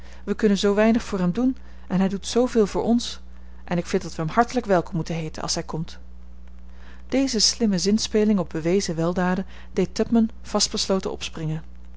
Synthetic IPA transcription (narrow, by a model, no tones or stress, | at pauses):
ʋəkɵnənzowʋɛjnəχfʊːɹɦɛmdun | ʔɛnɦɛjdutsowvɪːlˠvʊːɹʔɔns | ʔɛnɪkfɪntdɑtʋəɦəmhɑɹtələkʋɛlˠkɔmːutənɦejtə̰nʔɑ̰lˠsɦɛjkɔmt | d̥ejzəslɪməzɪnspeːlɪŋɔb̚bəʋejzəʋɛlˠdaːdə | dejtœpmən | v̥ɑst̚bəslowtənɔ̰psprɪŋən